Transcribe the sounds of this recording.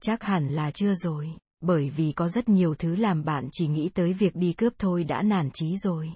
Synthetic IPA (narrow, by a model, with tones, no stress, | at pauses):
t͡ɕa˦˥k̚ha˧˩nlaː˨˩t͡ɕɨ˧əzo˨˩j | ɓəː˧˩jvi˨˩kɔ˨˦zə˦˥t̚ɲi˨˩əwt̪ʰɨ˨˦laː˨˩mɓa̰ː˧˨nt͡ɕi˧˩ŋḭ˧˥t̪əː˨˦jvi˨˩ək̚ɗi˧kɨ˦˥əp̚t̪ʰo˧jɗa̰ː˧˥naː˧˩nt͡ɕi˨˦zo˨˩j